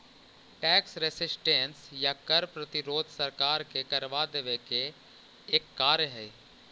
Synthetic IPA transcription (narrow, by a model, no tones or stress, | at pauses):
ʈɛːksɾesɪsʈẽnsjakɐɾpɾət̪ɪɾoːd̪ʱsɐɾkaːɾkekɐɾʋad̪eʋekeː | kːaːɾjəɦɛː